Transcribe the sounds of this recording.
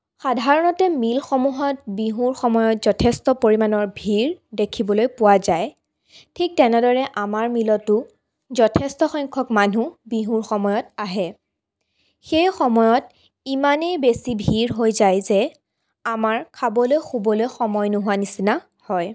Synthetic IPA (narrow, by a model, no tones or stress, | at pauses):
xadʱaɹɔnɔtɛmilxɔmuɦɔt̚biɦuɹxɔmɔjɔtz̥ɔtʰɛstɔpoɹimanɔɹbʱiɹdekʰibɔlojpʊwazaj | tʰik̚tɛnɛdɔɹɛʔamaɹmilɔtʊ | zɔtʰɛstɔxɔjŋkʰɔkmanubiɦuɹxɔmɔjɔtaɦɛ | xejxɔmɔjɔt | imanɛbesibʱiɹɦojzajzɛ | amaɹkʰabɔlojxubɔlojxɔmɔjnuɦuanisina | hɔj